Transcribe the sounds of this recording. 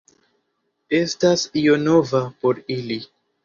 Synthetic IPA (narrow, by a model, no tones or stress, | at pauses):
e̞stasjo̞no̞vapo̞ɾili